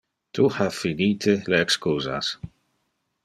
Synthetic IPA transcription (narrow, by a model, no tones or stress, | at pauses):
t̪ʰuhafiniːt̪ʰeleːkskuːza̰s